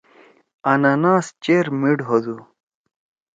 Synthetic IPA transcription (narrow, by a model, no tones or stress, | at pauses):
ɐnɐnaːst͡ɕeɾmiɖɦod̪u